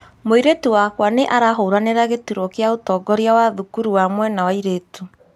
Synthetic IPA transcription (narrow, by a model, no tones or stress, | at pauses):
moiɾetuwakwaneʔaɾaɦouɾaneɾaɣetuɾɔkeaotɔɡɔɾjawaðukuɾuwamwɛnawaiɾetu